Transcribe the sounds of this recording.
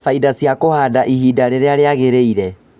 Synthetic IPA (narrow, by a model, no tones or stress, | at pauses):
faidasjakohaːdaʔihidaɾeɾeaɾeaɣeɾeiɾɛ